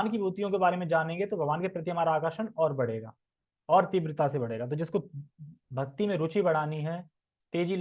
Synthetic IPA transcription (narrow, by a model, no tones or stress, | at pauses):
nkibʱuːt̪ijõkebaːɾemẽd͡ʒaːnẽːŋɡet̪obʱɐɡʋaːnkepɾɐt̪̬jəmaːɾaːkəɾʃənɔːɾbɐɽ̤eːɡa̰ː | ɔːɾt̪ibɾɪt̪asebɐɽ̤eːɡat̪od͡ʒɪsko | bʱɐk̚t̪imẽɾʊt͡ʃibɐɽ̤aːniɦɛː | t̪eːd͡ʒil